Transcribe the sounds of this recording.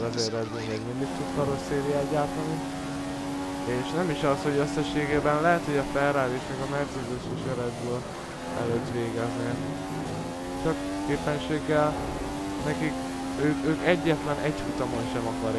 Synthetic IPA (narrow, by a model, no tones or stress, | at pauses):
ɛzeɾɛd̪binvɛɟmind̪ik̚t̪ud̪kɒɾosːeːɾiaɟaːt̪ɒni | eːʃnɛmiʃɒsho̞ɟøsːɛʃːeːɡeːbɛnlɛɦɛt̪ho̞ɟɒfɛlraːleːʃmɛɡɒmɛrt̪sɛd̪uʃiʃɛɾɛd̪̚bøːl | ɛ̰løːt̪ʋeːɡɛzneː | t͡ʃɒkːeːpɛnʃeːɡːɛl | nɛkik | øːkøːkɛɟːɛt̪lɛnʔɛɟhut̪ɒmonʃɛmɒkɒɾ